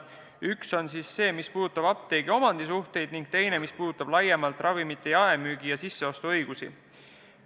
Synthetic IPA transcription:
ykso̞ns̬iːsːe̞ːmispuːd̪ut̪ːˑɑb̥ɑp̚t̪e̞ːɡ̥io̞mɑnd̪̥is̬uht̪e̞jd̪niŋɡk̚t̪e̞jne̞mispuːd̪ut̪ːˑɑb̥lɑjemɑlt̪ːˑrʔɑvimit̪ːˑe̞jɑemyːɡijɑsisːe̞o̞st̪uɤ̞jɡ̥usḭ

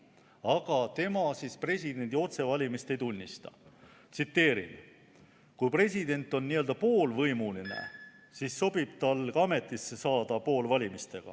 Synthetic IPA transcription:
ɑɡ̥ɑt̪e̞mɑsispre̞sʲid̪̥e̞nʲd̪̥ʲio̞t̪se̞vɑlʲimist̪e̞jt̪unʲːist̪ɑ̰ | t̪sit̪ːe̞ːɾḭn | kujpre̞s̬ʲid̪e̞nt̪ːˑo̞nːiø̞ld̪̥ɑpo̞ːlvɤjmulinḛ | siːsːo̞b̥ib̥̚t̪ɑlkɑme̞t̪ːˑisesɑːd̪̥ɑpo̞ːlvɑlʲimist̪e̞ɡ̥ɑ̰

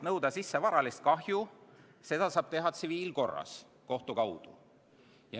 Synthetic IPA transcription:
nɤwd̪ɑsisːe̞vɑɾɑlist̪̚kɑɦju | se̞d̪̥ɑsɑːb̥t̪e̞ɦɑt̪siviːlko̞rːɑ̰s | ko̞ht̪ukɑwd̪̥ṵ | jɑ

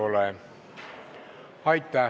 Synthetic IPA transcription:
ole | hɑit̪ːɑː

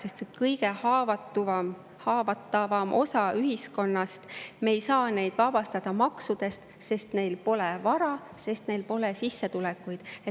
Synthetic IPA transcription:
se̞st̪et̪kɤjɡe̞hɑːvɑt̪ːuvɑm | hɑːvɑt̪ˑːɑvɑmʔo̞̰sɑyɦisko̞nːɑst̪me̞jsɑːne̞jd̪̥vɑb̥ɑst̪ɑd̪̥ɑmɑksud̪̥e̞st̪ | se̞st̪ne̞jlpo̞lɛvɑɾɑ | se̞st̪ne̞jlpo̞lesisːet̪ulɛkːˑujd̪̥e

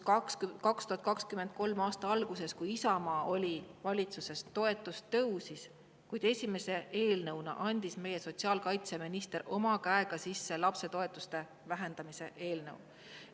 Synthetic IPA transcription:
kskɑkst̪uɦɑt̪kɑkskyme̞nd̪̚ko̞lmɑːst̪ɑɑlɡ̥use̞skujisɑmɑːʔo̞lʲivɑlʲit̪suse̞st̪o̞e̞t̪ːˑust̪ɤwsis | kujd̪e̞sʲime̞se̞ʔe̞ːlnɤwnɑ̰ʔɑnʲd̪̥isme̞je̞so̞tsiɑːlkɑjt̪se̞minist̪e̞ɾo̞mɑkæe̞ɡ̥ɑsisːe̞lɑpse̞t̪o̞e̞t̪ːˑust̪e̞ | væɦe̞nd̪̥ɑmise̞̰ʔe̞ːlnɤ̰w

